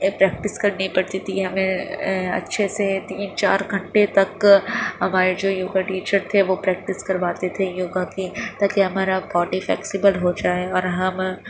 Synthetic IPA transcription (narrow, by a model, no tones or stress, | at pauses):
pɾɛːk̚ʈɪskɐɾnipɐɽt̪it̪ʰiɦɐmẽɐ̰tːʃʰeset̪iːnt͡ʃa̰ːɾɡʱɐ̃ɳʈet̪ɐkɦɐmaːɾed͡ʒoːjoːɡaʈiːt͡ʃəɾt̪ʰeʋopɾɛːk̚ʈɪskɐɾʋaːt̪et̪ʰejoːɡakit̪aːkiɦɐmaːɾapɔːʈiflɛ̰ːksɪbəlɦod͡ʒaːeɔːɾɦɐm